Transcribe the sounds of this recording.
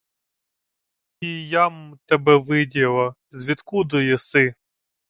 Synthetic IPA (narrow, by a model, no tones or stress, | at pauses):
ijamt̪ɛbɛʋɪdʲilˠɐ | zʲʋʲit̪kud̪ɔjɛsɪ